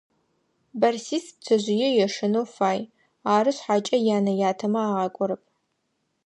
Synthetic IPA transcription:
bɐrsiːs̚t͡sʰɐʑʷɪjɛjɛʂɨnowfaːj | aːɾɨɕħaːt͡ʃʼɐjaːnɐjaːtʰɐmɐaːʁɑːkʷʼɔɾɐp̚ʰ

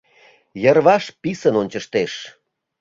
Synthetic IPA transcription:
jərβɑʃpisənonʲt͡ɕəʃt̪eʃ

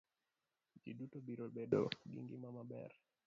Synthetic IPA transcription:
d͡ʒiɗutɔbiɾɔbɛɗɔ̰ɡḭŋɡimamabɛ̰ɾ

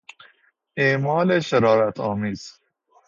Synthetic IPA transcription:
ʔeːmɒːleʃeɾɒːɾæt̪ʰɒːmiːz̥

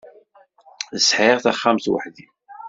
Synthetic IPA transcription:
θəsħɪʁθaχːamθwə̰ħði

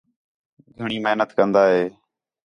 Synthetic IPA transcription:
ɡʱəɳ̃iːmeɦnət̪kənd̪aːɦeː

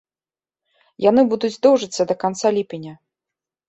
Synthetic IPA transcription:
janɨbud̪ud͡zʲzd̪ɔwʐɨt̪sːɐd̪ɐkant̪salʲipʲinʲɐ

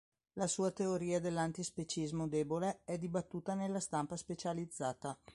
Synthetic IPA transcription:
lasuːat̪eoɾiːad̪elːant̪ispet͡ʃizmod̪ɛːboleɛd̪ibat̪ːuːt̪anelːast̪ampaspet͡ʃalid̪zːaːt̪a

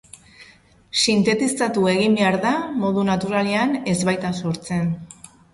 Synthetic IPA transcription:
sint̪e̞t̪ist̪at̪ue̞ɣ̞imbeaɾðamo̞ðunat̪uɾaleane̞zβajt̪aso̞ɾt͡se̞n

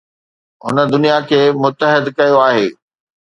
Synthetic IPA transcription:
ɦʊ̰nəd̪ʊnijakʰeːmʊt̪ːəɦɪd̪kɐjoaːɦeː

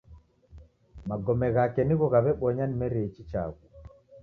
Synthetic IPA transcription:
maɡɔmɛɣakɛniɣɔɣaβɛɓɔɲanimɛɾɛit͡ʃit͡ʃa̰ɣu

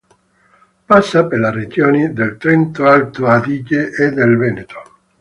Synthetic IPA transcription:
pasːapelared͡ʒoːnid̪elt̪ɾɛnt̪oalt̪oad̪iːɟeʔːd̪elvɛːnet̪o̥

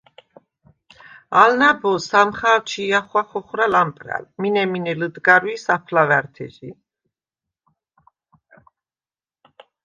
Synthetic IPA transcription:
alnabɔsamχaːlt͡ʃʰiːaχwaχɔχɾalampʼɾa̰lminɛminɛlɨd̪ɡaɾwisapʰlavaɾt̪ʰɛ̰ʒi

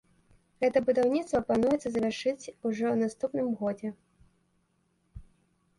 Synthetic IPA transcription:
ɣɛt̪ɐbud̪awnʲit̪st̪vɐplanujɛt̪sɐzɐvʲarʂɨt͡sʲuʐɔwnast̪upnɨmɣɔd͡zʲɛ

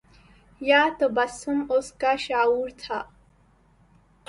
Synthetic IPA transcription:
jaːt̪əbasɨmoskaʃaːuɾt̪ʰa

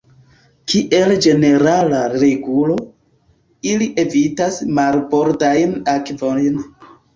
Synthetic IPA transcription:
kʰiʔe̞ld͡ʒe̞ne̞ɾalaɾe̞ɡulo̞ | iliʔe̞vitasmalbo̞ɾdajnakvo̞jn

